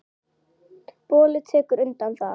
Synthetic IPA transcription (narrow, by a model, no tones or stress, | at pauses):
poːlɪt̪ʰɛːkʏɾʏnt̪anθa̰